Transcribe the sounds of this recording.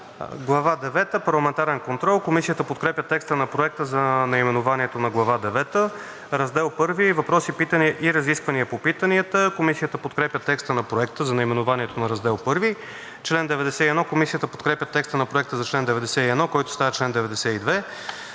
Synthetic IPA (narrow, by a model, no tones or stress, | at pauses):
ɡlˠɐvad̪ɛvɛt̪əpɐɾlˠɐmɛnt̪aɾɛnkont̪ɾɔlˠkomisijət̪əpot̪̚kɾɛpjʲət̪ɛkst̪ənɐpɾoɛk̚t̪əzɐnɐimɛnʊvaniɛt̪onɐɡlˠɐvad̪ɛvɛt̪ə | ɾɐzd̪ɛlˠpɤɾvivɐpɾɔsipit̪əniəʔiɾɐziskvəniəpopit̪əniət̪əkomisijət̪əpot̪kɾɛpjʲət̪ɛkst̪ənɐpɾoɛkt̪əzɐnɐimɛnʊvaniɛt̪onɐɾɐzd̪ɛlˠpɤɾvi | t͡ʃlɛnd̪ɛvɛd̪ɛsɛiɛd̪nɔkomisijət̪əpot̪kɾɛpʲjət̪ɛkst̪ənɐpɾoɛk̚t̪əzɐt͡ʃlɛnd̪ɛvɛd̪ɛsɛiɛd̪nɔkɔjt̪ʊ̥st̪avɐt͡ʃlɛnd̪ɛvɛd̪ɛsɛid̪vɛ